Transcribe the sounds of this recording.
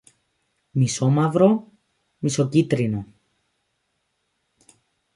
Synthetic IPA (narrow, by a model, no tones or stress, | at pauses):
misomɐvɾo̞ | miso̞cit̪ɾino